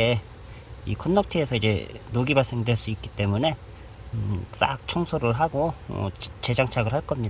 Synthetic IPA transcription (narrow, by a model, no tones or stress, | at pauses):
e | ḭkʰʌnːʌk̚tʰiesʰʌid͡ʑe̞̰noɡibaɭs͈e̞ŋdwe̞ɭs͈uik͈i̥t͈e̞mune̞ | s͈a̰k̚t͡ɕʰʌŋsʰoɾɯɭɦaɡo̰ | t͡ɕe̞d͡ʑaŋt͡ɕʰaɡɯɭɦaɭk͈ʌmɲi